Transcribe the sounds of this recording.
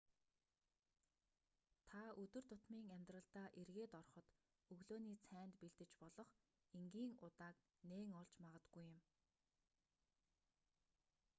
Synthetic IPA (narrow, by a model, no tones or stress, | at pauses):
t̪ʰaɵt̪ɵ̆r̥t̪ʰʊt̪miːŋæmʲt̪rə̆ɬt̪aːʔerɣeːt̪ɔrχɞ̆t̪ | ɵɣɮoːniːt͡sʰæːnt̪peɮt̪ɘ̆t͡ɕpɔɮɞ̆χ | eŋɡiːŋʊt̪aːk | neːŋɔɮt͡ɕmaʁə̆t̪ɡujːɪ̆m